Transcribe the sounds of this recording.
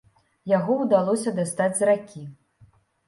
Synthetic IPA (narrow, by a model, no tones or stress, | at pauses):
jaɣɔwd̪alˠɔsʲɐd̪ast̪ad͡zʲzrakʲʰi